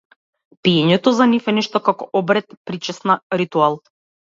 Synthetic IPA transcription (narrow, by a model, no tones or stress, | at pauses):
piɛɲɛt̪ɔzanifɛnɛʃt̪ɔkakɔʔɔbɾɛt̪pɾit͡ʃɛsnaɾit̪ualˠ